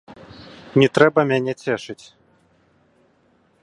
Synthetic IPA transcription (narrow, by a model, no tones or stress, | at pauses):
nʲɛt̪ɾɛbɐmʲanʲɛt͡sʲɛʂɨt͡sʲ